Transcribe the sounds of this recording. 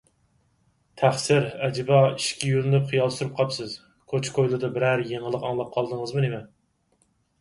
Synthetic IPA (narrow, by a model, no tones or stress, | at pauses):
t̪ʰæχsɪɾɛd͡ʒɪbɑiʃkʲɛjyɾnnɪpχijɑlˠsuɾup̚qʰɑpsɨz̥ | kʰot͡ʃʰkʰojlˠɨd̪ɨbɪɾæɾjeŋəlˠəqɑŋlˠɑp̚qʰɑlˠd̪əŋəzmɨnemɛ